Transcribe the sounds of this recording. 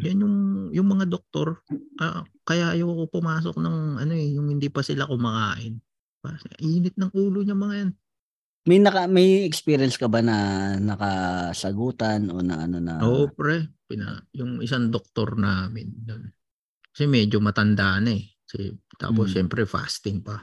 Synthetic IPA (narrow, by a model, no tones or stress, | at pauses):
d͡ʒanjʊŋjʊŋmɐŋad̪ok̚t̪o̞ɾʔɐkɐjaʔjoɐkopʊmaːs̬ok̚nɐŋʔɐno̞ɛjʊŋhɪnd̪ipɐsɪlakʊmɐkaːʔɪn | paʔiːnɪt̪̚nɐŋʔuːloɲɐmɐŋɐjan | mɐjnɐkɐmɐjɛkspiɾjɐnskɐbanɐnɐkɐsɐɡuːt̪ɐnʔo̰nɐ̰ʔɐ̰nonɐ̰ʔoːʔpɾɛpɪnɐ̰jʊŋɪsaŋd̪ok̚t̪o̞̰ɾnaːmɪnjon | kɐsɛmɛːd͡ʒomɐt̪ɐnd̪aʔnɐɛkɐsɛ̰t̪a̰ːposʃɛmpɾɛfa̰ːst̪ɪŋpɐ